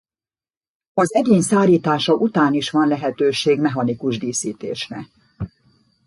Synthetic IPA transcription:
ɒzɛɟeːɲsaːɾiːt̪aːʃɒʔut̪aːniʃʋɒnlɛɦɛt̪øːʃeːɡmɛɦɒnikuʒd̪iːsiːt̪ḛːʃnɛ̰

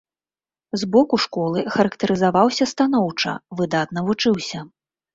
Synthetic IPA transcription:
zbɔkuʂkɔlˠɨxɐɾɐkt̪ɐɾɨzavawsʲɐst̪anɔwt͡ʂɐ̰vɨd̪at̪n̪ɐvut͡ʂɨwsʲɐ

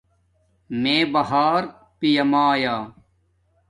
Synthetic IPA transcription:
mẽːbɐɦaːɾ | pijɐmaːjaː

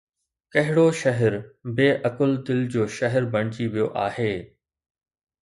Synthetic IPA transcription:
kɐɦɪɽoʃɐɦəɾbeːʔɐkʊlt̪ɪld͡ʑoːʃɐɦɛɾbɐɽ̃t͡ɕiʋijoʔaːɦeː

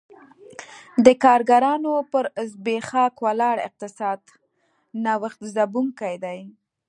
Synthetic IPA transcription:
d̪əkɑɾɡaɾɑnopəɾzbexɑkwalɑɽɪ̰q̚t̪ɪsɑd̪ | nawaxt̪zabuŋkajd̪aj

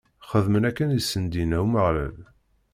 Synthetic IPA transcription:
χəðmənækːænisːənd̪inæwməʁlæ̰l

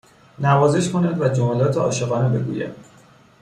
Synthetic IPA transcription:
nævɒːze̞ʃkʰo̞næd̪væd͡ʒomælɒːt̪ʰeɒ̰ːʃeɣɒːnebe̞ɡṵjæ̰d̪̥

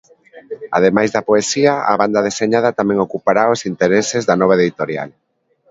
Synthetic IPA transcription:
a̰ð̞emajzðɐpoesiaa̰βand̪að̞eseɲað̞at̪amɛ̃ŋokupaɾaosint̪eɾesezðanɔβ̞aeðit̪oɾja̰l

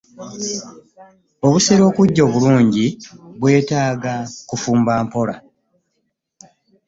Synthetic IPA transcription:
o̞βuseɾo̞ːkuɟːo̞ːβuluːɲɟiβwe̞ːtaːɡakufuːmbaːmpo̞la̰

